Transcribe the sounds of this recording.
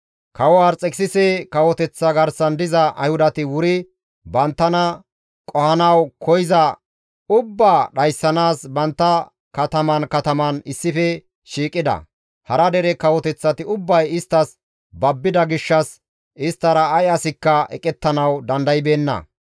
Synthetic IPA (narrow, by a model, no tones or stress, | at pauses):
kɐwɔwaːɾt͡sʼɛkʼsɪsɛkɐwɔt̪ɛt͡sːɐɡɐɾsɐnd̪ɪzɐʔɐ̰jhʊd̪ɐt̪ɪwʊɾɪ | bɐnt̪ːɐnɐ | kʼɔhɐnɐwkʰɔjɪzɐ | ʊbːaːɗɐjsːɐnaːsbɐnt̪ːɐ | kɐt̪ɐmɐnkɐt̪ɐmɐnɪsːɪfɛ | ʃiːkʼːɪd̪ɐ̰ | hɐɾɐd̪ɛɾɛkɐwɔt̪ɛt͡sːɐt̪ɪʊbːɐjɪst̪ːɐs | bɐbːɪd̪ɐɡɪʃːɐs | ɪst̪ːɐɾɐːjɐsɪkːɐɛ̰kʼɛt̪ːɐnɐwd̪ɐnd̪ɐjɪbeːnːɐ̰